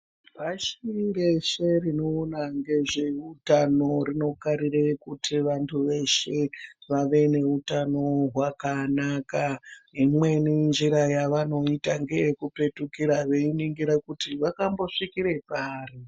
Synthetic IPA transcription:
paʃire̞ʃe̞rino̞ːnaŋɡe̞ʐe̞utano̞rino̞kaɾiɾekutʰiʋantʰuʋe̞ʃe̞ʋaʋe̞ne̞utano̞ɦwakanakaimwe̞nind͡ʒiɾajaʋano̞itaŋɡe̞jekupe̞tukiɾaʋe̞iniŋɡiɾakutiʋakambo̞ʂikiɾe̞paːri

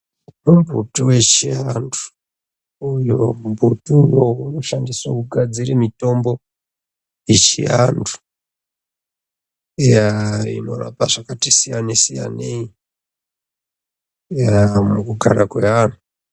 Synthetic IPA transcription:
utombṵtuwe̞t͡ʃiandu̥ | ujombʱutujouno̞ʃandiswakuɡʱad͡zirimito̞mbo̞ | jet͡ʃḭandu̥ | ejaḭno̞ra̰paʐakatisijanesija̰nei | amukuɡʱa̰ɾakweanu

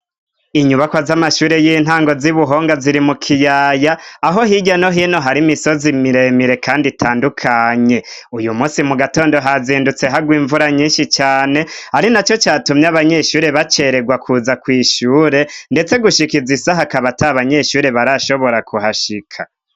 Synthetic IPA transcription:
iɲuβakwazamaʃuːɾe̞jiːn̥ɦaːŋɡo̞ziβuɦo̞ːŋɡaziɾimukʰijaːjaːɦo̞ɦiɟano̞ɦino̞ɦaɾimiso̞zimiɾe̞miɾe̞kʰaːnditʰaːndukʰaɲe̞ujumuːsimuɡato̞ːndo̞ɦaziːndut͡se̞ɦaɡwiːɱvuɾaɲĩːnʃit͡ʃaːne̞haɾinat͡ʃo̞t͡ʃaːtumɲjaβaɲe̞ʃuːɾe̞βat͡ʃe̞ɾe̞ɡwakʰuːzakwiːʃuːɾe̞nde̞t͡se̞ɡuʃikizisaɦakaβataβaɲe̞ʃuːɾe̞βaɾaʃo̞βo̞ɾakʰuhaʃikʰa

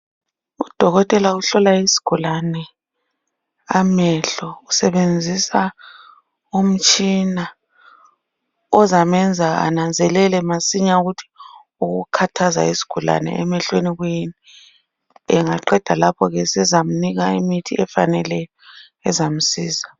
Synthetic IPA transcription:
ud̥ʱɔɣɔtʼɛlauɬɔlaisi̥ɡ̥ʱulanɛ | amɛɬɔusɛβend͡zʱisa | um̩t͡ʃʼina | ɔzamɛnd͡zʱaa̰nand͡zʱɛlɛlɛmasiɲauɣutʰi̥ | uɣukʰatʰaza̰isi̥ɡ̥ʱula̰nɛ̰ɛmɛɬweniɣujini | ɛŋaǃɛd̥ʱalapʰɔɣɛsɛzam̩niɣaimitʰiʔɛfa̰nɛlɛjɔ | ɛzam̩siːza

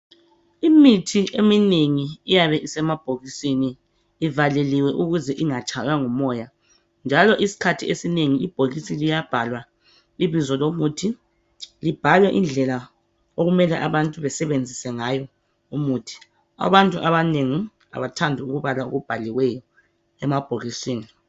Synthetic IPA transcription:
imitʰiʔemineŋiːjaβɛʔisɛmab̥ʱoɣisiniː | valeliwɛʔuɣuzɛʔiŋat͡ʃʼʰaɣaŋɔmɔːja | nd͡ʒʱalɔʔisi̥kʰatʰiesineŋiib̥ʱolisilijab̥ʱalwa | iβizɔlomuːtʰi | lib̥ʱalwɛʔind͡ɮʱɛla | oɣumɛlɛʔaβantʼuβɛsɛβend͡zʱisɛŋajɔ | umuːtʰi̥ | a̰βantʼuʔaβaneŋi | a̰βatʰandʱiuɣuβalao̰ɣub̥ʱaliwɛjɔ | ɛmab̥ʱoɣisiːni

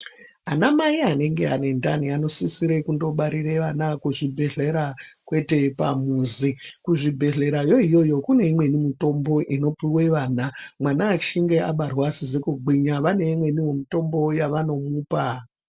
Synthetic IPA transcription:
anamaiane̞ŋɡe̞ɦa̰ne̞ndaniano̞sisiɾekundo̞ɓaɾireʋanakuʐibʱe̞ɮeɾakwe̞te̞pa̰muːzikuʐibʱe̞ɮe̞ɾajo̞ijo̞jo̞kune̞imwe̞nimito̞mbo̞ʔino̞piwe̞ʋaːnamwanaːt͡ʃiŋɡe̞aɓarwasizekuɡ͡biɲaʋane̞imwe̞niwomito̞mbo̞jaʋano̞muːpa

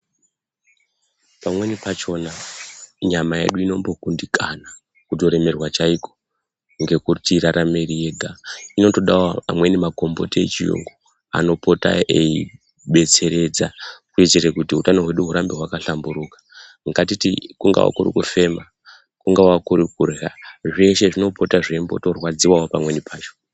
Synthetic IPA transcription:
pamwe̞nipat͡ʃo̞naɲamaje̞̰ɗuino̞mbo̞kundikana | kuto̞ɾe̞me̞rwat͡ʃaiko̞̥ | ŋɡe̞kutiɾaɾamirije̞ɡʱaino̞to̞ɗaoamwe̞nimaɡʱo̞mbo̞̰tiḛt͡ʃijṵŋɡo | a̰no̞pʰo̞ta̰ei | ɓe̞t͡se̞ɾe̞d͡zakuet͡ʃerekutiutano̞ɦwe̞ɗuɦuɾambeɦwakaɬambuɾukḁ | ɡatitikuŋɡa̰wa̰kurḭkufe̞ma | kuŋɡawakuɾik̚urɣaʐeʃe̞ʐino̞po̞taʐembo̞̰to̞rwad͡ziwawopamwe̞nipʰaːt͡ʃo

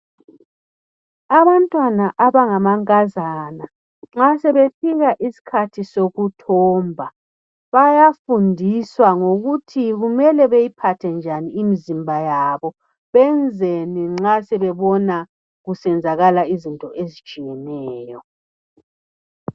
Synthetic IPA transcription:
aβantʼwanaʔaβaŋamaŋkʼazana | ŋ͡ǁasɛβefiɣaʔisi̥kʰatʰisoɣutʰɔːmbʱa | βajafundʱiswaŋoɣutʰiɣumɛlɛβejipʰatʰɛnd͡ʒʱaniːmizimbʱajaβɔ | βɛnd͡zʱeniŋ͡ǁasɛβɛβɔna | ɣusɛnd͡zʱaɣalaizintʼɔʔezid̥t͡ʃʼijɛnɛːjɔ

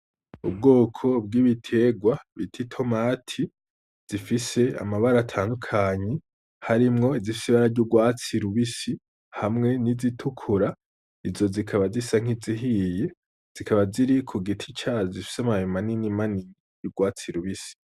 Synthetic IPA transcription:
ub̚ɡo̞ːkʰo̞b̚ɡiːβitʰe̞ɡwaβitʰitʰo̞maːtʰi | z̥ifise̞a̰maβaɾatʰaːndukʰaɲe̞ | haɾimŋo̞izifi̥siβaɾaɟuɡwaːt͡siɾuβisi | hamŋe̞nizitʰukʰuɾa | izo̞zikʰaβazisaŋ̥iziɦije̞ | z̥ikʰaβaziɾikʰuɡitʰi̥t͡ʃazifi̥samajimaninimaninijuɡ̥waːt͡siɾuβisi̥

